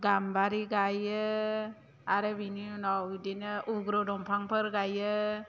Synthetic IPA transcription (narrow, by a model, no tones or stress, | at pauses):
ɡambaɾiɡajɯ | aɾɯbininawdinɯʔuɡɾɔdɔmpʰaŋpʰɯɾɡajɯ